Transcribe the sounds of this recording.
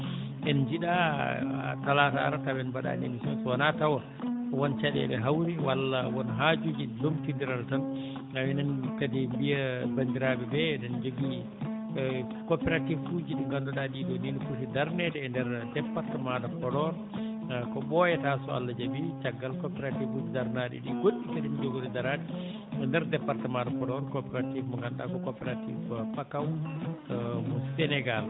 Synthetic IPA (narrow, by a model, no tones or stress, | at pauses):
ʔɛnd͡ʒiɗa̰ | talata̰ːɾatawɛnbaɗa̰ːnḛmisɔnsɔwanatawa | wɔnt͡ʃaɗɛ̰ɓɛ̰ɦawɾiwalːawɔnɦad͡ʒud͡ʒilomtindiɾaltan | awɛnɛnkadɛmbijabandiɾaːbɛbɛdɛnd͡ʒoɡi | kɔpɛɾativfud͡ʒiɗuŋɡandɔɗaɗiːdɔninkusidaɾnɛtɛːndɛɾdɛpːaɾtɛmadapɔɾɔɾ | kɔbɔjɛtasɔa̰lːad͡ʒabit͡ʃaɡːalkɔpɛɾatifud͡ʒidaɾnaɗḭɗiɡoɗːitadind͡ʒoɡuɾɛdaɾadi | ɔndɛɾdɛpːaɾtɛmadapɔdɔɾkɔpɛɾativmɔŋɡanɗa̰kɔkɔpɛɾatḭvpakaw | mɔsɛnɛɡal